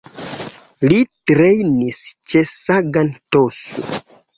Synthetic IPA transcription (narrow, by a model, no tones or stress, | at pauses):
litɾejnist͡ʃe̞saɡantoso̰